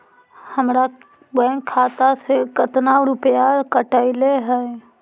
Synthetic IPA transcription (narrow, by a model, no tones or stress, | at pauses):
həmɾa | bɛ̃ŋkkʰːaːt̪asekət̪naɾʊpjakəʈaɪleɦɛe